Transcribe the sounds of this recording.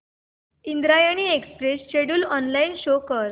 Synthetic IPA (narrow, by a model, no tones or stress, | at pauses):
ind̪ɾajəɽ̃iːekspɾesɕeɽuːlɔnlainɕokəɾ